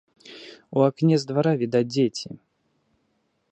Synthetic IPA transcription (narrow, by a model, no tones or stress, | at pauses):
uaknʲɛzd̪vaɾavʲid̪ad͡zʲet͡sʲi